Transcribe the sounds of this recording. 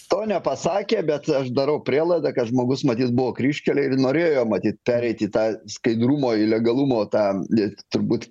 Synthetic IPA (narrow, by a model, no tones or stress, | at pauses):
t̪oːnʲɛpɐsɑːkʲeːbʲɛt̪ɐʃd̪ɐɾɐʊpʲɾʲiːlˠɐɪd̪ɐkɐt̪ʒmoːɡʊsmɐt̪ʲiːt̪̚bʊʋoːkɾʲiːʃʲkʲɛlʲɛɪnoːɾʲeːjoːmɐt̪ʲiːt̪̚pʲæːɾʲɛɪt̪it̪ɑːskɐɪd̪ɾuːmoːɪlʲɛɡɐlˠuːmoːt̪ɑːɪt̪ʊɾbuːt̪